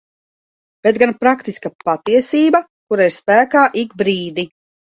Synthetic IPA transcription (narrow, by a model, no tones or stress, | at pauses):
b̥et̪ɡanpɾakt̪iskapat̪iɛsiːba | kuɾaiɾspæːkaːʔiɡbɾiːd̪i